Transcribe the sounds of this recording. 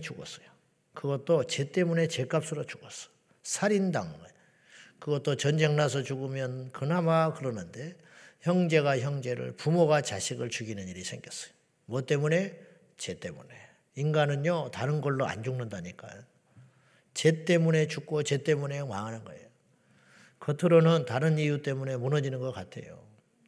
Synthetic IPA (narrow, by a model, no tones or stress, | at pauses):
t͡ɕuɡʌ̰s͈ʌ̥jo | kɯɡʌt̚t͈ot͡ɕe̞t͈e̞mune̞t͡ɕe̞k͈ap̚s͈ɯɾʌt͡ɕuɡʌs͈ʌ̥jo | sʰaɾindaŋɡʌ | kɯɡʌt͈ot͡ɕʌnd͡ʑe̞ŋnas̬ʰʌt͡ɕuɡɯmjʌnkɯnamakɯɾʌnɯnde̞ | çjʌŋd͡ʑe̞ɡaçjʌŋd͡ʑe̞ɾɯ̰ɭpumoɡat͡ɕa̰ɕʰiɡɯɭt͡ɕuɡinɯniɾisʰe̞ŋɡjʌs͈ʌ̥jo̥ | mʌt͈e̞mune̞ | t͡ɕe̞t͈e̞mṵne̞ | inɡanɯnjotaɾɯnɡʌɭːoa̰nd͡ʑuŋnɯndaɲik͈a̰ | t͡ɕe̞t͈e̞mune̞t͡ɕuk̚k͈ot͡ɕe̞t͈e̞mune̞maŋanɯnɡʌe̞̰jo | kʌtʰɯɾonɯntaɾɯnijut͈e̞mune̞munʌd͡ʑinɯnɡʌk͈atʰe̞̰jo̰